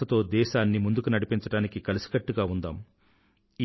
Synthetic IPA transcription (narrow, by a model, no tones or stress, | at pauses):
ɐt̪o̞ːd̪ɛːʃaːnːimund̪ukunɐɽipiɲt͡ʃɐɽaːnikikɐlisi̥ɡɐʈːuɡaːund̪aːm | i